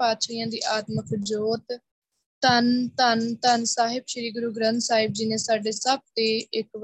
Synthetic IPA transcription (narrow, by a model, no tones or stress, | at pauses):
aːt̪ʃəjãːd̪iːʔaːt̪məkd͡ʒoːt̪ | t̪ənt̪ənt̪ənsaːɦɪbʃəɾiːɡʊɾuːɡɾənt̪saːɦɪb̚d͡ʒɪnẽːsaːɖeːsəb̚t̪eːɪkʋ